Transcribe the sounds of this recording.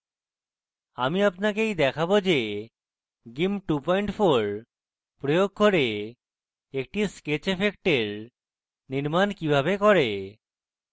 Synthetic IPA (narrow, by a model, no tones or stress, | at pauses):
amiapnakejd̪ɛkʰabod͡ʑe | ɡimʈupɔjɳʈfoɾ | pɾojoɡ̚koɾe | ek̚ʈisket͡ɕepʰek̚ʈeɾ | niɾmankibʱabekɔɾe